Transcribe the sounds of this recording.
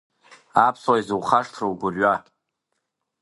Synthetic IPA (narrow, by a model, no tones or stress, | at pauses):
apʰswajzɨwχaʂtʰrowɡʷʊrɥa